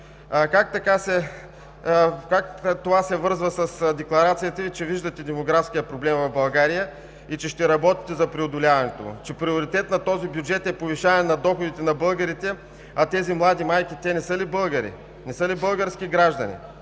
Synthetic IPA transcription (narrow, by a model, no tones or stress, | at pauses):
kak̚t̪ɐkasɛ | kakt̪ovasɛvɤɾzvəsɐsd̪ɛklˠɐɾat̪sijɐt̪əit͡ʃɛviʒd̪ət̪ɛd̪ɛmoɡɾafskijəpɾoblɛmvɐvbɐlˠɡaɾijə | it͡ʃɛʃt̪ɛɾɐbɔt̪i̥t̪ɛzɐpɾiod̪ʊlʲavɐnɛt̪o̰t͡ʃɛpɾioɾit̪ɛt̪nɐt̪ɔzibjud͡ʒɛt̪ɛpoviʃaɛnɐd̪ɔxod̪it̪ɛnɐbɤlˠɡəɾit̪ɛ | ɐt̪ɛzimlˠad̪imajkʲit̪ʲɛnɛsɤlibɤlˠɡəɾḭ | nɛsɤlibɤlˠɡəɾskʲiɡɾaʒd̪ɐnḭ